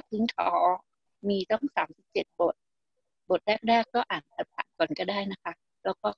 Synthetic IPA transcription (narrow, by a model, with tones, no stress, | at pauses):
t̪ʰi˧˦ŋkʰɔː˩˦ | miː˧t̪ɔ˥˩ŋsaː˩˦msi˨˩p̚t͡ɕe˨˩t̪̚bo˨˩t̪̚ | bo˨˩t̪̚ɾɛː˥˩k̚ɾɛː˥˩kːɔː˥˩ʔaː˨˩nt̪a˨˩p̚ʔa̰˨˩kɔː˨˩nkɔː˥˩daː˥˩jna˦˥kʰa˦˥ʔ | lɛː˦˥wkɔː˥˩